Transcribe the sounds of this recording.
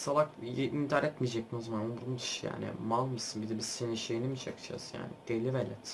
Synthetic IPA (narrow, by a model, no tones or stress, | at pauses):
salˠakʔint̪ʰaɾɛt̪mijd͡ʒɛc̚minozamanonbuɾumd̪ʰɯ̥ʃja̰ːnɪ̰malˠmɯsɯnbid̪ɛbiseniʃejinimiʃakt͡ʃʰa̰zja̰ːnɪ̰d̪̥elʲivelʲɛt̪